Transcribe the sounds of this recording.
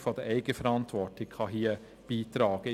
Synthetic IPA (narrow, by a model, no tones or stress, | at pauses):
fɔd̥əʔɛɪɡ̥əfɛɾɑntʋɔtɪkχɑɦiːə | b̥iːtɾɑːɡ̥ə